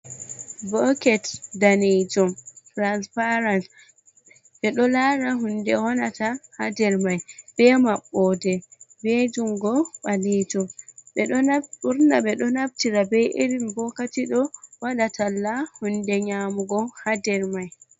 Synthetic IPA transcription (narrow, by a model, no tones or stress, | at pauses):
bɔkɛtdaned͡ʒɔmtɾanspaɾans | ɓɛɗɔlaːɾaɦundɛhɔnatahadɛɾmajb̥ɛmaɓːɔdɛbed͡ʒumɡɔɓaled͡ʒɔmɓɛɗɔuɾnaɓɛɗɔnabtiɾabɛjʔiɾimbɔkatiɗɔwaɗatʰalːahundɛɲamuɡɔhadɛɾmaj